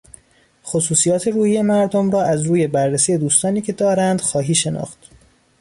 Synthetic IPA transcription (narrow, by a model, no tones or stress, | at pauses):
xosuːsijɒːt̪ʰe̞ɾuːhiːje̞mæɾd̪omɾɒːʔæzɾuːje̞bærːesiːje̞d̪uːst̪ɒːniːcʰe̞d̪ɒːɾænd̪̥xɒːɦiːʃe̞nɒ̰ːxt̪